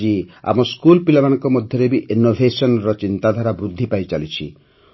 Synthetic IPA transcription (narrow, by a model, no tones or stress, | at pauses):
d͡ʒia̰mɔskulpilɔmanɔŋkɔmɔd̪ʱjɔɾebiʔinːobʱesɔnɾɔt͡ʃint̪ad̪ʱaɾabɾud̪ʱːipajt͡ʃalit͡ʃʰḭ